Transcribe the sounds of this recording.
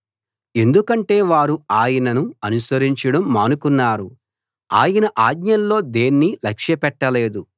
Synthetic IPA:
e̞nd̪ukɐɳʈe̞ːʋaːɾuaːjɐnɐnuɐnusɐɾiɲt͡ʃɐɽɐmːaːnukunːaːɾu | a̰ːjɐnɐʔaːd̪ɲɐnlo̞ːd̪e̞ːnːilɐkʂjɐpɛʈːɐle̞ːd̪u

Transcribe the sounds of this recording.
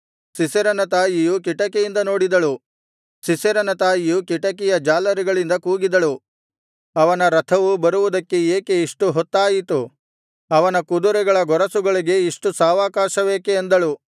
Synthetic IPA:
sisɐɾɐnɐt̪aːjijuk̬iʈɐkejind̪ɐno̞ːɽid̪ɐɭu | sisɐɾɐnɐt̪aːjijukiʈɐkɛjɐd͡ʒaːlɐɾiɡɐɭind̪ɐkuːɡid̪ɐɭu | ɐʋɐnɐɾɐt̪ʰɐʋubɐɾuʋud̪ɐkːe̞eːke̞iʂʈuɦɔt̪ːaːjit̪u | ɐʋɐnɐkud̪uɾɛɡɐɭɐɡɔɾɐsuɡɐɭiɡe̞iʂʈusaːʋaːkaːʃɐʋeːkeːnd̪ɐɭu

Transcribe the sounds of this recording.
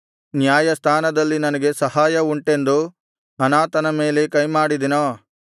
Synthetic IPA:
njaːjɐst̪ʰaːnɐd̪ɐlːinɐnɐɡe̞sɐɦaːjɐuɳʈe̞nd̪u | ɐnaːt̪ɐnɐme̞ːle̞kɐjmaːɽid̪ino

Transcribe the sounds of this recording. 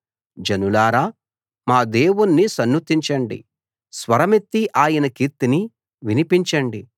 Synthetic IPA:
d͡ʒɐnulaːɾaː | maːd̪eːwunːisɐnːut̪iɲt͡ʃɐɳɖḭ | sʋɐɾɐmet̪ːiʔaːjɐnɐkiɾt̪ːini | ʋinipiɲt͡ʃɐɳɖi

